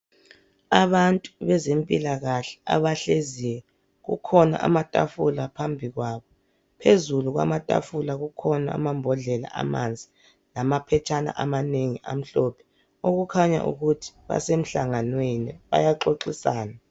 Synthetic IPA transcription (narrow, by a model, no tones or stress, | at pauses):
aβantʼuβɛzempʼilaɣaɬɛ̥a̰βaɬezijɛ | ɣṵkʰɔna̰ʔa̰matʼa̰fulapʰambʱiɣwaːβɔ | pʰezuluɣwa̰matʼa̰fulaɣukʰɔnaa̰mambʱɔɮɛla̰ʔa̰ma̰nd͡zʱi | lamapʰɛt͡ʃʰʼana̰ʔamaneŋiʔa̰m̩ɬɔpʰɛ̥ | oɣukʰaɲa̰ʔṵɣutʰi̥βa̰sem̩ɬaŋanweniβa̰jaǃoǃisaːna